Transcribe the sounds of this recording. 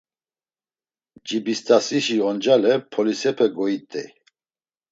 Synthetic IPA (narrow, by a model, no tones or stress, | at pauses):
d͡ʒibist̪ʰʼasiʃiɔnd͡ʒalɛpʰɔlisɛpʰɛɡɔit̪ʼɛ̰